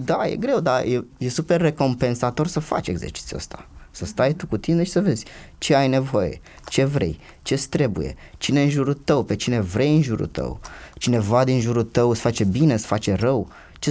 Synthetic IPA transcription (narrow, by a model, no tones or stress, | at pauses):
d̪ajḛɡɾe̞wd̪ajeje̞supe̞rːe̞ko̞mpe̞nsat̪o̞rsəfa̰t͡ʃʲe̞ɡzert͡ʃi̥t̪siṵa̰st̪ḁsəst̪ajt̪ukut̪ineʃi̥səve̞zʲt͡ʃe̞ajne̞vo̞je̞̰ | t͡ʃe̞vɾʔḛj | t͡ʃesʲt̪ɾe̞bṵje̞̰ | t͡ʃine̞ɨnʒuɾult̪əwpe̞t͡ʃine̞vɾejɨnʒuɾṵlt̪ə̰wt͡ʃine̞vad̪inʒuɾult̪əwsfat͡ʃe̞bine̞sfat͡ʃe̞ɾəw | t͡ʃe